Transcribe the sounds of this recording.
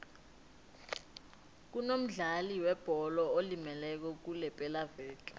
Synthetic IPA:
k̬unom̩ɮaliwɛb̥ʱɔlɔolimɛlɛk̬ɔk̬ulɛpʼɛlavɛːt͡ɬʼa̰

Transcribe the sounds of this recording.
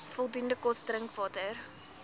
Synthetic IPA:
fɔlˠdundəkɔstrəŋkvɑːtər

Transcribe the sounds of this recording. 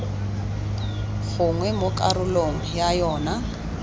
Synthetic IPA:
fʊŋwɛmʊkʼaɾʊloŋ̩jajɔːna

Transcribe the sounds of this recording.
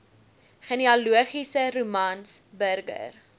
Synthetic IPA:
χəniɑluəχisəɾumɐnsbərɡə̰r

